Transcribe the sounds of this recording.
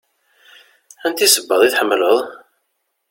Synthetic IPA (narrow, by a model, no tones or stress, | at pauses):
ænt̪isəbːəðˤiθħəmːləðˤ